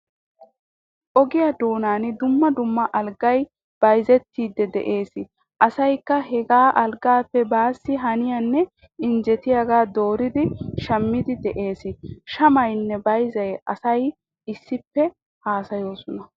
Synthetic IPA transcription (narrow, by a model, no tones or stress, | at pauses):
ʔɔɡɪjɐd̪o̞ːnaːnɪd̪ʊmːɐd̪ʊmːɐʔɐlɡɐj | b̥ɐjzɛt̪ːiːd̪ːɛd̪ɛ̰ʔe̞ːsɪ | ʔɐsɐjkːɐɦɛɡaːʔɐlɡaːpːɛbaːsːɪɦɐnɪjɐnːɛ | ɪnd͡ʒɛt̪ɪjaɡaːd̪o̞ːɾɪd̪ɪʃɐmːɪd̪ɪd̪ɛʔe̞ːsɪʃɐmɐjnːɛbɐjzɐjɐsɐj | ɪsːɪpːɛ | haːsɐjo̞ːsɔnɐ